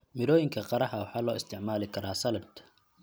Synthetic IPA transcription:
mɪɾɔːjɪŋkʰɐqɑɾɐħɐwɑħɑːlɔːɪst̪ʰɪʕmaːlɪkʰɐɾaːsɐlɐbt̪ʰɐ̥

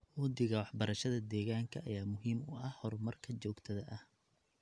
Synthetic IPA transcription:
wɔd̪ɪɣɐwɑħbɐɾɐʃɐðɐd̪ɛːɣaːŋkʰɐʔɐjaːmʊɦiːmʊʔɐhhɔrmɐrkʰɐt͡ʃɔːɡt̪ʰɐðɐʔɐh

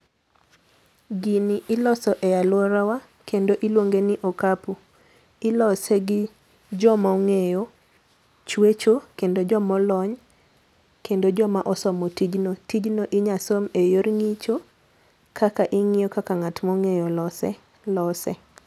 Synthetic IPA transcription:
ɡiniʔɪlɔsɔʔɛjalwɔɾawa | kendoʔilwoŋɡenɪʔokapu | ɪlɔseɡɪ | d͡ʒɔmɔŋejo | t͡ʃwet͡ʃokendod͡ʒɔmɔlɔɲ | kʰendod͡ʒɔmaʔɔsɔmɔtid͡ʒnotid͡ʒnoʔɪɲasomejoɾŋit͡ʃo | kʰakaʔɪŋɪjokakaŋatmɔŋejolɔsɛ̰ | lɔsɛ̰

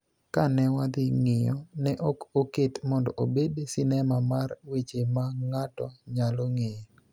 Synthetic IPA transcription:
kanɛwad̪ɪŋɪjɔnɛʔokoketmɔndɔʔobedsɪnɛmamarwet͡ʃemaŋatɔɲaloŋej

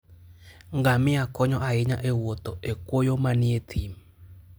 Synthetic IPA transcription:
ŋɡamɪakɔɲɔʔaɪɲaʔewot̪oekwojomaniet̪ʰim

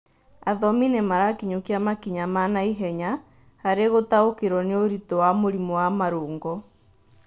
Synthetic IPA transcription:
aðɔminemaɾakiɲokiamakiɲamanaiɦɛɲa | haɾeɣotaokeɾwɔneoɾitɔwamoɾimɔwamaɾoːŋɡɔ

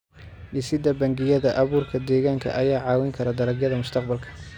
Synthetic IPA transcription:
ʔɪsɪd̪ɐbɐŋɡɪjɐðɐʔɐβuːrkʰɐd̪ɛːɣaːŋkʰɐ̰ʔɐjaːʕɑːwɪŋkʰɐɾɐd̪ɐɾɐɡjɐðɐmʊst̪ʰɑq̚bɐlkʰɐ̥

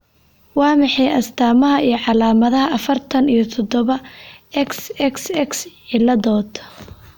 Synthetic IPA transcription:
wɑːmɑħɑjʔɐst̪ʰaːmɐɦɐʔijɞʕɑlaːmɐðɐɦɐʔɐfɐrt̪ʰɐnijɞt̪ʰɔd̪ɔβɐɛksɛksɛksħɪlɐðɔːd̪

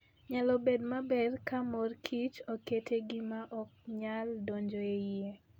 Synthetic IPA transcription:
ɲalɔbedmabɛrkamɔrkʰit͡ʃoketʰeɡɪmaʔɔk̚ɲaldoɲd͡ʒoeie

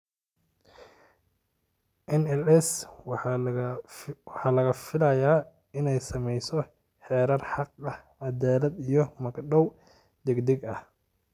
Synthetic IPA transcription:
ʔɪnɛlɛs | wħɑːlɐɣɐfɪlɐjaː | ɪnɛjsɐmɛjsɔ | ħɛːɾɐrħɑqɐh | ɑd̪aːlɐd̪ijɞmɐɡɗɔw | d̪ɛɡd̪ɛɡɐh

